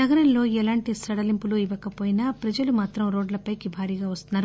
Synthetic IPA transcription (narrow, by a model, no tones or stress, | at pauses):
nɐɡɐɾɐnlo̞ːɛlaːɳʈisɐɽɐlimpuluiʋɐkɐpoːjinaːpɾɐd͡ʒɐlumaːt̪ɾɐmɾo̞ːɖlɐpɐjkibʱaːɾiːɡaːʋɐst̪unːaːɾu